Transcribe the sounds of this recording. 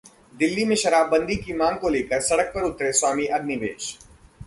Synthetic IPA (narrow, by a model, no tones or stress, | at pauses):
d̪ɪlːimẽʃɐɾaːbːə̃nd̪ikimãːŋɡkoleːkəɾsɐɽək̚pəɾʊt̪ɾeswaːmiʔɐɡ̪niʋḛːʃ